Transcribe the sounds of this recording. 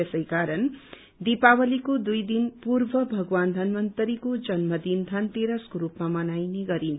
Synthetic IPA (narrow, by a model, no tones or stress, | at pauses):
esʌjkaɾʌn | d̪ipawʌlikod̪ujd̪inpurbʱʌbʱʌɡwand̪ʱʌnmʌnt̪ʌɾikod͡zʌnmʌd̪ind̪ʱʌnt̪eɾʌskoɾupmamʌnajneɡʌɾin